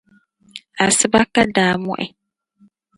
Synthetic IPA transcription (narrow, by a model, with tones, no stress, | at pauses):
a˨sɪ˦ba˦ka˦daː˨mɔ̰̃˦˨ʔɛ̰˨